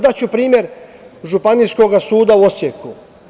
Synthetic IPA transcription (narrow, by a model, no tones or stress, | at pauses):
d̪at͡ɕupɾiːmje̞ɾʒupanisko̞ɡasuːd̪auo̞sjeku